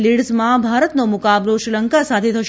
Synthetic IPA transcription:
liɽzmãbʱaɾət̪nomʊkabloʃɾiləŋkasat̪ʰet̪ʰəʃ

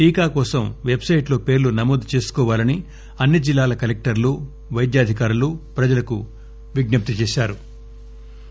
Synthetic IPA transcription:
ʈiːkaːkɔːsɐmʋe̞bsɐjʈlo̞ːpe̞ːɾlunɐmoːd̪ut͡ʃe̞ːsu̥kɔːʋaːlɐni | ɐnːid͡ʒilːaːlɐkɐlek̚ʈɐɾlu | ʋɐjd̪jaːd̪ʱikaːɾulupɾɐd͡ʒɐlɐku | ʋiɡnɐp̚t̪it͡ʃɛːʃaːɾu

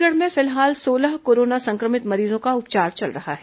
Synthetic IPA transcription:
ləɽmẽfɪlɦaːlsoːləɦkoːɾoːnasɐ̃ŋkɾəmɪt̪mɐɾiːzõkaʊp̚t͡ʃaːɾt͡ʃɐlɾɐɦa̰ɦɛː

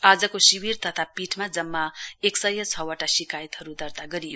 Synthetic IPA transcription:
ad͡zʌkosiwirt̪ʌt̪ʰapiʈʰmad͡zʌmːaeksʌjʌt͡sʰʌwʌʈasikajt̪ɦʌɾud̪ʌrt̪aɡʌɾijo

